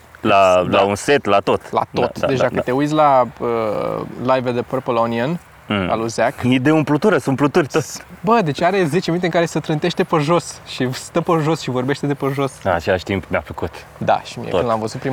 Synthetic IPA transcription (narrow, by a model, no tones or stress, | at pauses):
lalaunse̞t̪lat̪o̞t̪la̰t̪o̞t̪dd̪e̞t͡ʃd̪akət̪e̞ujt̪sʲlaəlajved̪əpɾpolonion | a̰luzakjid̪eumplut̪uɾəsunplut̪urʲt̪ot̪sʲbəd̪e̞t͡ʃʲaɾe̞ze̞t͡ʃemint̪eŋkaɾe̞sət̪ɾɨnt̪e̞ʃt̪e̞pəʒo̞sʃist̪əpəʒo̞sʃivo̞rbe̞ʃt̪ed̪e̞pəʒo̞snat͡ʃelaʃʲt̪impmea̰fəkut̪ | d̪a̰ʃimiḛɨnlamvəzut̪̚pɾi